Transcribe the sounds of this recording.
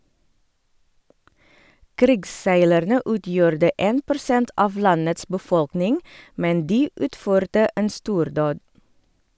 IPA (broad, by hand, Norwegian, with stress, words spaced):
ˈkɾɪɡsˌsæɪlæɾnə ˈʉːˌtjuːɾdə ˈeːn pʊɾˈsɛnt ˈʔɑʋ ˈlɑnəts bəˈfɔlknɪŋ ˈmɛn ˈdiː ˈʉːtˌføːɾtə ˈeːn ˈstuːɾˌdoːd